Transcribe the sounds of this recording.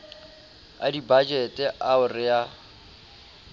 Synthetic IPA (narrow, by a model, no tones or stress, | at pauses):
a̰dibad͡ʒɛtʼɛʔaʊrɪja